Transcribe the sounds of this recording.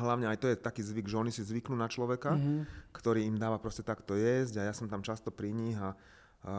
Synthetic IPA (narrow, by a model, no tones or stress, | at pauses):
ɦlaʊɲɛajt̪ɔjɛt̪akiːzʋiɡʒɛɔnisizʋiknuːnat͡ʃlɔʋɛkakt̪ɔɾiːimd̪aːʋapɾɔscɛt̪akt̪ɔjɛzɟajasɔmt̪amt͡ʃast̪ɔpɾiɲiɦa